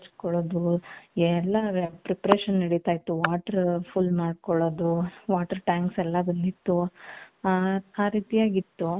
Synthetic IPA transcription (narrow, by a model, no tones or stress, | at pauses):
ɐt͡ʃkɔɭoːd̪uɛlːɐpɾipɾeːʃɐnːɐɽit̪aːjit̪ːuʋaːʈɐɾpʰulmaːɖkɔɭoːd̪uʋaːʈɐɾʈaːŋksɛlːɐbɐnd̪it̪ːu | aːɾiːt̪ijaːɡit̪ːu